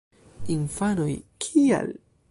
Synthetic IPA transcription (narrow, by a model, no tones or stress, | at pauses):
infanojkʰia̰l